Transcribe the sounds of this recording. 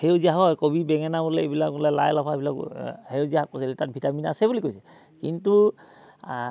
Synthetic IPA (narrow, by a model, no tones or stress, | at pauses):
heʊziaɦɔjkobibɛŋɛnabɔlɛebilak̚bɔlɛla̰jlɔpʰaebilakheʊziaɦak̚posɛlɛtat̚bʱitamina̰sɛbulikojsɛ | kintu